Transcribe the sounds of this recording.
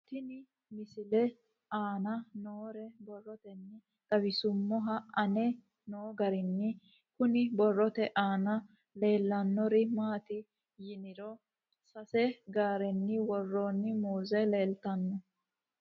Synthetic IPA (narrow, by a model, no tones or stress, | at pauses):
t̪ɪnɪ | mɪsɪlɛ | aːnɐnoːɾɛbɔrːɔt̪ɛnːɪ | d̪̥ɐbɪsʊmːɔɦɐɐnɛ | noːɡɐɾɪnːɪ | kʊnɪbɔrːɔt̪ɛʔaːnɐ | le̞ːlːɐnːɔɾɪmaːt̪ɪ | jɪnɪɾɔ | sɐsɛɡaːɾɛnːɪwɔrːoːnːɪmuːzɛle̞ːlt̪ɐnːɔ